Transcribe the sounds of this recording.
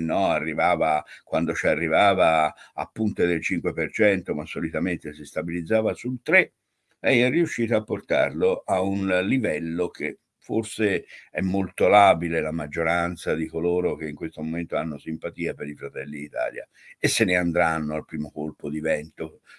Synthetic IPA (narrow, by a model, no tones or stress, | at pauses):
nːɔarːivaːvakwand̪ot͡ʃiarːivaːvaa̰pːunt̪ed̪elt͡ʃiŋkwepert͡ʃɛnt̪omasːolit̪ament̪esist̪abilid̪zːaːvasult̪ɾe | ɛjɛrːiuʃːiːt̪oaapːort̪a̰rloʔaunlivɛlːok̟e | forseɛmːolt̪olaːbilelamad͡ʒːoɾant̪sad̪ikoloːɾok̟eiŋkwest̪omoment̪oanːosimpat̪iːapeɾifɾat̪ɛlːiːt̪a̰ːlja̰ | esːeneand̪ɾanːoalpɾiːmokolpod̪ivɛnt̪o